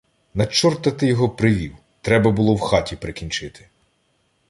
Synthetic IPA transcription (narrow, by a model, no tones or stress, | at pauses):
nɐt͡ʃːɔrt̪ɐt̪ɪjɔɦɔpɾɪʋʲiw | t̪ɾɛbɐbʊlˠɔwxɑtʲipɾɪkʲinʲt͡ʃɪt̪ʰɪ̥